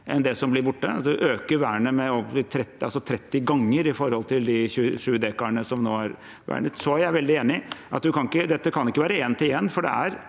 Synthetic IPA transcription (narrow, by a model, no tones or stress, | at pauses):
ʔɛnd̪ɛsɔmblɪɾbʊʈːəɑ̰t̪d̪ʉʔøːkəɾʋæːɳəmɛɔɪt̪ʰɾɛt̪ːɪɑlsɔt̪ʰɾɛt̪ːɪɡɑŋːəɾɪfɔɾhɔlt̪ʰɪld̪ɪçʉːʂʉːəd̪eːkɑəɳəsɔmnoːɑɾ | ʋæ̰ːɳət̪sɔæɾjæɪʋɛld̪ɪeːnɪʔɑt̪̚d̪ʉkʰɑnɪkːəd̪ɛt̪ːəkʰɑnɪkːəʋæːɾəeːnt̪ɪjɛnːfɔɖɛ̰æɾ